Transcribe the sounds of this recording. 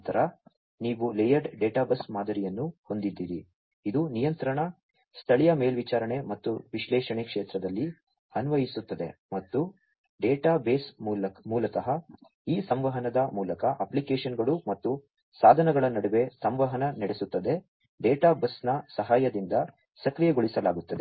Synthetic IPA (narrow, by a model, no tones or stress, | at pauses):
t̪ɐɾɐ | niːʋulejɐɾɖɖeːʈaːbɐsmaːd̪ʱɐɾijɐnːuho̞nd̪id̪ːiːɾi | id̪unijɐnt̪ɾɐɳɐ | st̪ʰɐɭijɐmeːlʋit͡ʃaːɾɐɳe̞mɐt̪ːuʋiʃlɛːʂɐɳekʂeːt̪ɾɐd̪ɐlːi | ɐnʋɐjisut̪ːɐd̪e̞̰mɐt̪ːu | ɖeːʈaːbe̞ːsmːlɐmuːlɐk̪ɐɦɐ | iːsɐmʋɐɦɐnɐd̪ɐmuːlɐkɐʔɐplikeːʂɐnɡɐɭumɐt̪ːu | saːd̪ʱɐnɐɡɐɭɐnɐɽuʋe̞sɐmʋɐɦɐnɐnɐɽesut̪ːɐd̪e̞ | ɖeːʈaːbɐsnɐsɐɦaːjɐd̪ind̪ɐ | sɐkɾijeɡoɭisɐlaːɡut̪ːɐd̪e̞